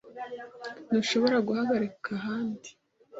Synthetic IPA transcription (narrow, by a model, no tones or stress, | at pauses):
nuʃo̞βo̞ɾaɡuhaβaɾekʰaɦaːndi̥